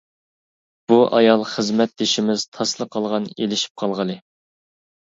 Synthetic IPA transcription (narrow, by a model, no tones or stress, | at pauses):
b̥uʔɑjɑlˠχəzmɛt̪̚d̪eʃimɪz̥t̪ʰɑslˠəqʰːɑlˠʁɑnelɪʃi̥p̚qʰɑlˠʁəlˠɨ